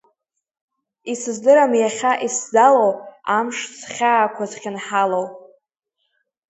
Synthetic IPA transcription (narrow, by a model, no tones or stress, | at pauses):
isɨzdɨɾamjaχʲaʔiszalowamʂsχʲaːkʷʰazχʲɪnħalow